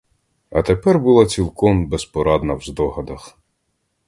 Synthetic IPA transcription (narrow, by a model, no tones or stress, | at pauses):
ɐ̰t̪epɛrbʊlˠɑt͡sʲilˠkɔmbespɔɾɑd̪nɐwzd̪ɔɦɐd̪ɐx